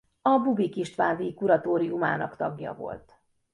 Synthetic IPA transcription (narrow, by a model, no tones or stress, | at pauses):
ɒbubikiʃt̪ʋaːnd̪ikuɾɒt̪oːɾijumaːnɒkt̪ɒɡjɒ̰vo̞̰lt̪